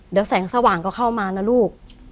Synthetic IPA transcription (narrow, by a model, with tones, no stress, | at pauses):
di˩˦wsɛː˩˦ŋsa˧waː˨˩ŋkɔː˥˩kʰa˥˩wmaː˧naː˦˥˩luː˥˩k̚